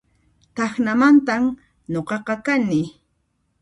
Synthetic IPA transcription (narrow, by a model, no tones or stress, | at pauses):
t̪ɑxnamant̪am | ɲoqɑqɑkanɪ